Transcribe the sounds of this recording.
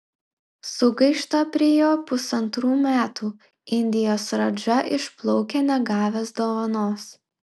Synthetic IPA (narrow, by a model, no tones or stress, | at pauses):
sʊɡɐɪʃt̪ɐpʲɾʲɪjoːpʊsɐnt̪ɾuːmʲæːt̪uː | ɪnʲd̪ʲɪjoːsɾɐd͡ʒɐʔɪʃplˠɔʊkʲenʲɛɡɑːʋʲeːsd̪oːʋɐnoːs